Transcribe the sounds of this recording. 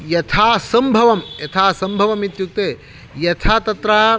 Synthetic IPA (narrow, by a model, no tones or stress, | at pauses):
jɐt̪ʰaːsɐmbʱɐʋɐmjɐt̪ʰaːsɐmbʱɐʋɐmit̪juk̚t̪eː | jɐt̪ʰaːt̪ɐt̪ɾaː